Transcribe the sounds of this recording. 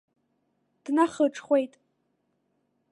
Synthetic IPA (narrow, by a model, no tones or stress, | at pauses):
d̥naχəʈ͡ʂʰʼχʷe̞jtʼ